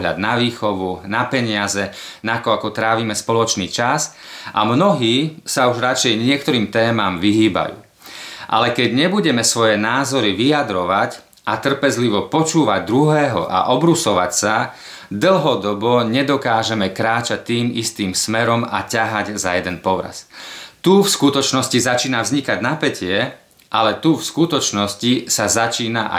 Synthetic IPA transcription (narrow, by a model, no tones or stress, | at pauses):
ɦla̰d̪̚naʋiːxɔʋunapɛɲɪazɛnakɔakɔt̪ɾaːʋiːmɛspɔlɔt͡ʃniːt͡ʃas | ʔa̰mnɔɦiːsauʒɾat͡ʃɛjɲɪɛkt̪ɔɾiːmt̪ɛːmamʋiɦiːba̰jṵː | ʔa̰lɛkɛɟɲɛbuɟɛmɛsʋɔjɛnaːzɔɾiʋijad̪ɾɔʋac | at̪r̩pɛzliʋɔpɔt͡ʃuːʋaɟ̚d̪ɾuɦɛːɦɔ̰ʔa̰ʔɔbɾusɔʋa̰csa | d̪l̩ɦɔd̪ɔbɔɲɛd̪ɔkaːʒɛmɛkɾaːt͡ʃac̚t̪ːiːmḭst̪iːmsmɛɾɔma̰caɦaɟzajɛd̪ɛnpɔʋɾa̰st̪ufskut̪ɔt͡ʃnɔscizat͡ʃiːnavzɲikaɟnapɛcɪɛ | ʔalɛt̪ufskut̪ɔt͡ʃnɔscisazat͡ʃiːnaʔa̰